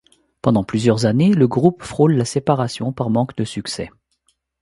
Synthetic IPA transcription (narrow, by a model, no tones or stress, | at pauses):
pɑ̃d̪ɑ̃plyzjœʁzaneləɡʁupfχollasepaʁasjɔ̃paʁmɑ̃kd̪əsyksɛ̰